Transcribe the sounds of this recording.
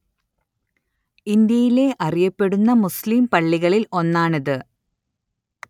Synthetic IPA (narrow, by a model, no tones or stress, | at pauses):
ind̪jɐjile̞ʔɐrijɐpːe̞ɽunːɐmusliːmpɐɭːiɣɐɭilo̞nːaːɳɐðɨ